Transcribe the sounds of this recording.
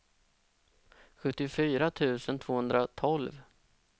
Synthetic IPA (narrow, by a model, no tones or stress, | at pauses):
ɧɵt̪ːɪʊfyːɾat̪ʰʉ̟ːsənt̪ʰv̥oːhɵnd̪ɾat̪ʰɔlv